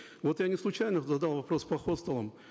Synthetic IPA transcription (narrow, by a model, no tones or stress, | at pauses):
vot̪janʲɪslˠʊt͡ɕajnəzɐd̪alˠvɐpɾo̞spɐxot̪st̪əlˠəm